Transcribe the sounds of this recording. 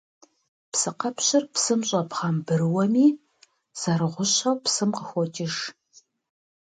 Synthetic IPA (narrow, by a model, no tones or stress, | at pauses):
psɨqɐpɕɪrpsɨmɕʼɐpχɐmbɨrɨwɐmiː | z̥ɐɾɨʁʷʊɕɐwpsɨmqəxʷɔtʼɪʒ